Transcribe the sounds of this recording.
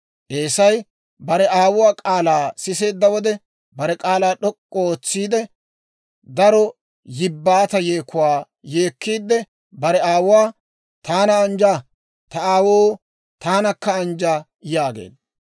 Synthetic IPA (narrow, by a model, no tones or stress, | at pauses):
ʔeːsɐj | bɐɾɛʔaːwʊwaːkʼaːlaːsɪse̞ːd̪ːɐwɔd̪ɛ | bɐɾɛkʼaːlaːɗɔkʼːɔoːt͡sːiːd̪ɛ | d̪ɐɾɔ | jɪbːaːt̪ɐjeːkːʊwaː | je̞ːkːiːd̪ːɛ | bɐɾɛaːwʊwaː | t̪aːnɐːnd͡ʒaː | t̪ɐaːwoː | t̪aːnɐkːɐnd͡ʒaː | jaːɡḛːd̪ɐ